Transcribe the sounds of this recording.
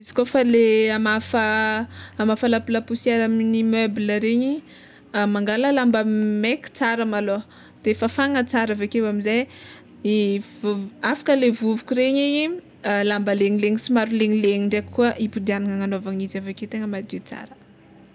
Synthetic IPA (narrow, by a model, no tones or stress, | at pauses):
izi̥kofaleamafəː | mafəlapulapusiaɾaminimøbiləɾeɲi | maŋɡaləlambəmekʲi̥t͡saɾəmalo | d̪̥efafaŋət͡saɾavekewamizaj | ivafḁkəlevuvukʲuɾeɲeɲi | lambəleɲileɲisimaɾuleɲileɲiɳɖ͡ʐekuəʔipud̪ianaŋəŋanovaŋizavekewt̪eŋəmad̪it͡sa̰ɾə̥